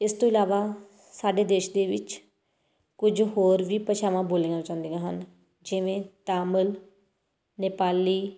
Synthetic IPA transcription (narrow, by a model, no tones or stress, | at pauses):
ɪst̪õːɪlaːʋaː | saːɖeːd̪eːʃd̪eːʋɪt͡ʃ | kʊd͡ʒɦoːɾʋiːpət͡ʃʰaːʋãːboːleːãt͡ʃãːnd̪ejãːɦən | d͡ʒɪʋẽːt̪aːməl | nɪpaːliː